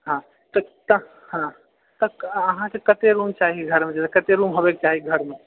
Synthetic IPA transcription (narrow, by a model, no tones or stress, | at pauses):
ɦã | t̪ɔt̪ə | hã | t̪əɐɦãsekət̪eɾumt͡ʃaːɦiɡʱəɾmẽd͡ʒɛsekɐt̪eɾuːmɦobek̚t͡ʃaːɦiɡʱəɾmẽ